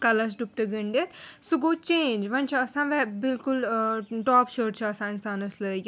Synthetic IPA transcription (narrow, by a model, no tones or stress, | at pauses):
kɐlɐs̬ɖup̚ʈɐɡɐɳɖet̪suɡoːt͡ʃẽːnd͡ʒʋɐnt͡ʃʰɐɐsãːʋɛbilkulʈɔːpʃəːʈt͡ʃʰɐɐsãːinsaːnɐsləɡ